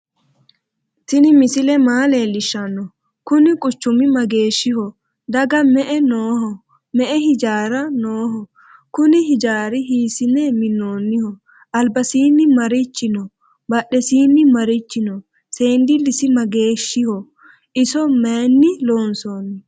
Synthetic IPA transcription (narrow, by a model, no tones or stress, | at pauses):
t̪ɪnɪmɪsɪlɛmaːleːlɪʃːɐnːɔ | kʊnɪkʼʊt͡ʃːʊmɪmɐɡe̞ːʃːɪhɔ | d̪ɐɡɐmɛʔɛnoːhɔ | mɛʔɛɦɪd͡ʒaːɾɐnoːɦɔ | kʊnɪhɪd͡ʒaːɾɪɦiːsɪnɛmɪnːoːnːɪhɔ | ʔɐlbɐsiːnːɪmɐɾɪt͡ʃːɪnɔ | bɐɗɛsiːnːɪmɐɾɪt͡ʃːɪnɔ | seːnd̪ɪlɪsɪmɐɡe̞ːʃːɪhɔ | ɪsɔmeːnːɪloːnsoːnːɪ